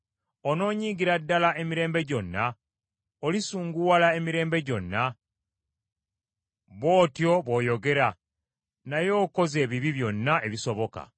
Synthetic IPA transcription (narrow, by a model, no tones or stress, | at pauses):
ono̞ːɲiːɡiɾadːalaʔemiɾe̞ːmbe̞ɟo̞nːa | olisuːŋɡuwalaemiɾe̞ːmbe̞ɟo̞nːa | βo̞ːtjo̞βo̞ːjo̞ɡe̞ɾa | najo̞ːko̞ze̞ːβiβiβjo̞nːaʔe̞βiso̞βo̞ka̰